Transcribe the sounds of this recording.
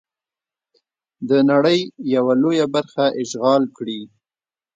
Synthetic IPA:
d̪ənaɽəjːawalojabaɾxaʔɪʃɣɑlkɽi

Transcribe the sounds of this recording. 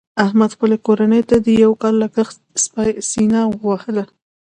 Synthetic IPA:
ahmad̪xpəlekoɾanəjt̪ad̪əjawkɑlːakəx | spɑjsinɑɣwahəla

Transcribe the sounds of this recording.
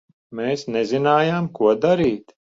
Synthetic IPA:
meːsnɛzinaːjaːmkuɔd̪aɾiːt̪

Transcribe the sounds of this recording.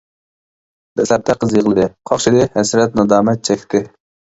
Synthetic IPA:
b̥ɛslæp̚t̪ʰɛqʰəzjəʁlˠɨd̪ɪqʰɑχʃɪd̪ɪhɛsɾɛt̪̚nɑd̪ɑːmɛt̪̚t͡ʃʰɛkʲt̪ʰɪ

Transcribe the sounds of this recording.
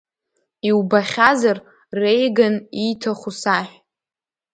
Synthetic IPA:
iwbaχʲazar | rejɡanitʰaχʷusaħᶣ

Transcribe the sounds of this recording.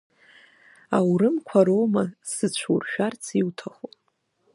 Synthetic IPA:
awɾɨmkʷʰaɾowmasɨt͡ɕʷʰurʃᶣart͡sʰiwtʰaχo

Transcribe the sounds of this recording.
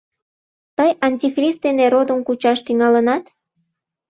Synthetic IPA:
t̪əjɑnʲtʲixrʲist̪̚d̪eneɾod̪əmkut͡ɕɑʃt̪yŋɑlənɑt̪

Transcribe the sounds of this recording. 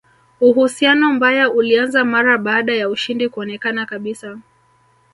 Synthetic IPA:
uɦusianɔmbajaulianzamaɾaɓaːɗajauʃindikuɔnɛkanakaɓisa

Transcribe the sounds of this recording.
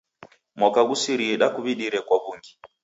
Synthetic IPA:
mwakaɡusiɾiɛɗakuβiɗiɾɛkwaβuŋɡi

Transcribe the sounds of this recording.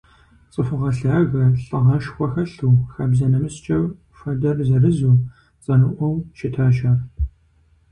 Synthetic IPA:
t͡sʼəfɨʁɐɬaːɣɐɬʼɨʁɐʃxʷɔxɐɬuːxabzɐnɐmɨst͡ʃʼɐw | fɐdɐrzɐrɨzuː | t͡sʼɐnɨʔʷɔwʃɪtʰaːʃaːr

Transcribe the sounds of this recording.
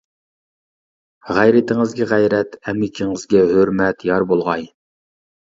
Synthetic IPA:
ʁæjɾɪt̪ʰɪŋɨzɡʲɛʁæjɾɛt̪ɛmɪkʲʰiŋɨzɡʲɛɦøɾmɛt̪jɑɾbolˠʁɑj

